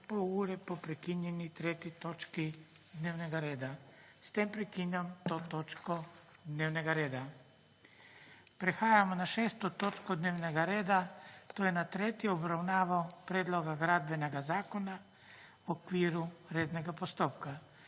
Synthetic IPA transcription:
pouːɾɛpopɾɛkinjenit̪ɾet̪it̪ot͡ʃki | d̪newneɡaɾeːd̪a | st̪empɾɛkiɲamt̪oːt̪ot͡ʃkod̪neːwneɡaɾeːd̪a | pɾexaːjamonaʃeːst̪ot̪ot͡ʃkod̪neːwneɡaɾeːd̪at̪oːjenat̪ɾeːt̪jiobɾawnaːʋawpɾed̪loɡaɡɾad̪̚beneɡazaːkona | okʋiːɾuɾeːd̪neɡapost̪oːpka

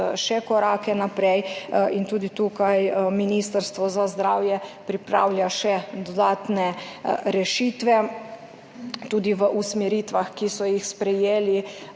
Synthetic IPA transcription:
ʃɛkɔɾaːkɛnapɾɛjint̪uːd̪it̪ukajminist̪əɾst̪ʋɔzazd̪ɾaːwjɛpɾipɾa̰wlʲjaʃɛd̪ɔd̪aːt̪nɛɾɛʃiːt̪ʋɛ | t̪uːd̪iʋəʔusmɛɾiːt̪ʋaxkisɔjixspɾɛjeːli

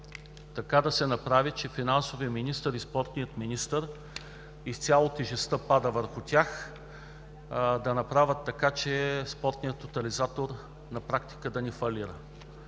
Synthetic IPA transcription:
t̪ɐkad̪ɐsɛnɐpɾavit͡ʃɛfinansovijəminist̪əɾispɔɾt̪nijət̪minist̪əɾ | ist̪sʲalˠot̪iʒɛst̪əpad̪əvəɾxʊt̪ʲax | d̪ɐnɐpɾavət̪ːɐkat͡ʃɛspɔɾt̪nʲijət̪ːot̪ɐlizat̪oɾ | nɐpɾakt̪i̥kəd̪ɐnifɐliɾə̰

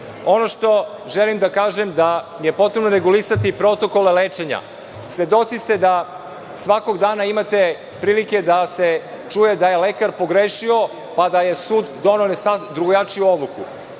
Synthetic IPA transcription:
o̞no̞ʃt̪o̞ | ʒelimd̪akaːʒemd̪aje̞po̞t̪ɾe̞bnoɾeɡulisat̪ipɾo̞t̪o̞ko̞lelet͡ʂe̞ɲa̰ | sʋe̞d̪o̞t̪sist̪e̞d̪a | sʋako̞ɡd̪aːnaimat̪e̞ | pɾiːlike̞d̪ase̞ | t͡ʂujed̪ajelekaɾpo̞ɡɾeʃio̞ | pad̪ajesuːd̪d̪o̞nosad̪ɾuɡojat͡ʂiuo̞d̪lˠukṵ

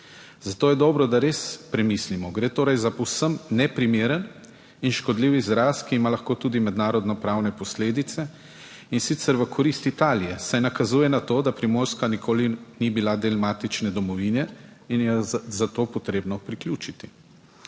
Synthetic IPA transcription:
zat̪oːjɛd̪ɔːbɾɔd̪aɾeːspɾɛmislimɔɡɾeːt̪oːɾɛjzaɔwsəmnɛpɾimeːɾən | inʃkɔd̪liːwizɾaːskiːmalaxkoːt̪uːd̪imɛd̪naːɾɔd̪nɔpɾaːwnɛpɔsleːd̪it̪sɛ | insit̪sɛɾʋəkʰɔɾist̪it̪aːlijɛsajnakazuːjɛnat̪oːd̪apɾimoːɾskanikʰoːlinibilad̪ɛlmaːt̪it͡ʃnɛd̪ɔmɔʋiːnɛinjɛzat̪oːpɔt̪ɾeːbnɔpɾikljuːt͡ʃit̪i

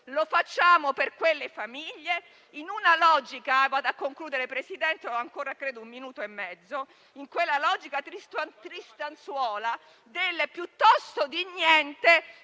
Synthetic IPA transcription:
lofat͡ʃːaːmoperkwelːefamiʎːe | inunalɔːd͡ʒikavaːd̪akːoŋkluːd̪eɾepɾesid̪ɛnt̪eoaŋkoːɾakɾeːd̪oumminuːt̪oemːɛd̪zːo | iŋkwelːalɔd͡ʒikat̪ɾist̪nt̪ɾist̪answɔːla | d̪elːepjut̪ːɔst̪od̪iɲːɛnt̪e

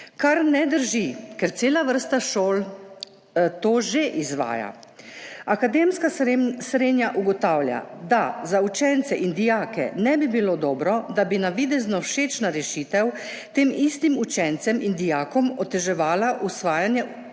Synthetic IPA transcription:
kaɾnɛd̪əɾʒikɛɾt̪seːlaʋəɾst̪aʃoːl | t̪oːʒeʔizʋa̰ːja̰ | akad̪eːmskasɾeːnjaʔuɡɔt̪aːwlja̰d̪azaut͡ʃɛnt̪sɛʔind̪ijaːkɛ̰nɛbibilod̪ɔːbɾɔd̪abinaʋid̪ɛznɔwʃeːt͡ʃnaɾɛʃiːt̪ɛw | t̪eːmist̪imut͡ʃɛnt̪sɛmind̪ijaːkɔmɔt̪ɛʒɛʋaːlaʔusʋaːjanjɛ

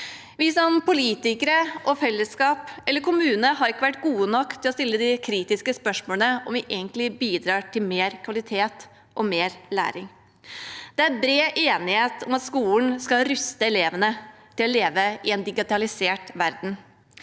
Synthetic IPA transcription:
ʋɪsɔmpʊliːt̪ɪkəɾəʔɔfɛlːəskɑːpʔɛlːəɾkʰʊmʉːnəɦɑɾɪkːəʋæʈːɡuːənɔkːt̪ʰɪlɔst̪ɪlːəd̪ɪkʰɾiːt̪ɪskəspœʂmoːlənəɔmʋɪʔeːɡənt̪lɪbiːd̪ɾɑːʈʰɪlmeːɾkʰʋɑlɪt̪ʰeːt̪ | ʔɔmeːɾlæ̰ːɾɪŋ | d̪̥ɛæɾbɾeːʔeːnɪheːt̪ʰɔmɑt̪skuːln̩skɑɾʉst̪əɛleːʋənət̪ʰɪlɔleːʋəɪɛnd̪ɪɡɪt̪ɑlɪseːʈʋæɾd̪n̩

